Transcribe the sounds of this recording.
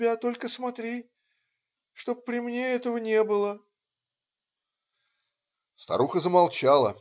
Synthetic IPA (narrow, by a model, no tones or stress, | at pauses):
bʲat̪o̞lʲkəsmɐt̪ɾʲi | ʂt̪o̞ppːɾʲɪmnʲe̞ɛt̪əvənʲe̞bɨlˠə | st̪ɐ̰ɾuxəzəmalˠt͡ɕalˠə̰